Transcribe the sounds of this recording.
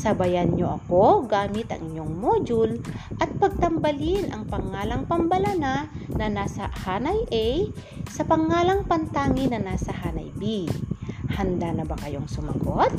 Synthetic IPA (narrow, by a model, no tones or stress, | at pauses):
sɐbɐjanɲo̰ʔɐko̞ɡaːmɪt̪ɐ̰ŋʔɪɲːoŋmoːd͡ʒulʔɐt̪̚pɐɡ̚t̪ɐmbɐlɪnʔɐŋpɐŋːaːlɐŋpɐmbɐlananɐnaːsɐhaːnɐjʔɛj | sɐpɐŋːaːlɐŋpɐnt̪aːŋɪnɐnaːsɐhaːnɐ̰jbi | hɐnd̪anɐbɐkɐjo̞ŋsʊmɐ̰ɡot̪̚